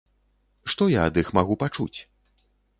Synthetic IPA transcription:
ʂt̪ɔjaɐd̪ixmaɣupat͡ʂṵt͡sʲ

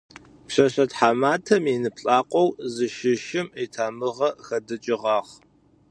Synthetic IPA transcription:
pɕɐɕɐtħaːmaːtʰɐminɨpɬʼaːqʷʼɔwzɨʃɪʃɪmeːtʰaːmɨʁɐxɐdɨt͡ʃʼɪʁɑːχ

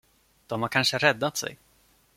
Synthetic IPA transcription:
d̪̥ɔmhaɾkʰanʂəɾɛd̪ːat̪sɛ̰j

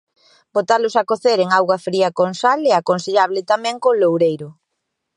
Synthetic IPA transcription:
bot̪alʊsakoθeɾeŋawɣwɐfɾiɐkonsaleakonseʎaβlɪt̪amɛ̃ŋkolowɾejɾʊ

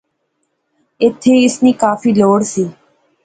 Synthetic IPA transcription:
ɪt̪ʰːeːɪsniːkaːfiːloːɽsiː

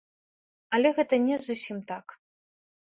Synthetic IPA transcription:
ɐlʲɛɣɛt̪ɐnʲɛzusʲimt̪ak

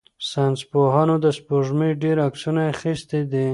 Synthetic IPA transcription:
sanspoɦɑnod̪əspoʒmeɖeɾaksunaːxist̪ed̪i

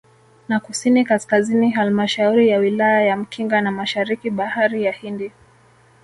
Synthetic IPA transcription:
nakusinikaskaziniɦalmaʃauɾijawilajajam̩kʰiŋɡanamaʃaɾikiɓahaɾijahindi

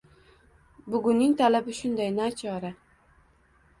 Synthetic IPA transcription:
bʊɡʊnːɪŋt̪ʰalabɪʃʊnd̪ajnat͡ʃʰɒɾa

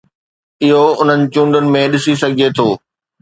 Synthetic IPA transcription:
ɪɦoʊn̤ənɪ̆t͡ɕũːɳɖʊnɪ̆mẽɗɪsisɐɡʱɪd͡ʑet̪ʰoː

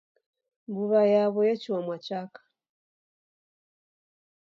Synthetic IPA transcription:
mbuβajaβɔjɛt͡ʃiwamwat͡ʃakḁ

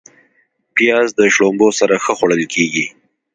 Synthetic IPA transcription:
pjɑzd̪əʃɽombosaɾaxəxwaɽəlkʰeɡi

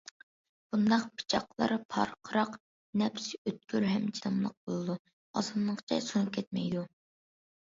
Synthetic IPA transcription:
b̥und̪ɑqpʰi̥t͡ʃʰɑqlˠɑ̰ɾɨpʰɑ̰ɾqʰəɾɑq | nɛpsɪøt̪̚kʲʰyɾɦɛmd͡ʒinɨmlˠəq̚bolˠɨd̪u | ɑzɨnlˠəqt͡ʃʰɛjsunɨp̚kʲʰɛt̪̚mɛjd̪u

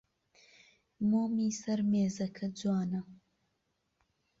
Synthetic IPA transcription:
moːmiːsɐɾmeːzɐkʰɐd͡zwaːnɐ

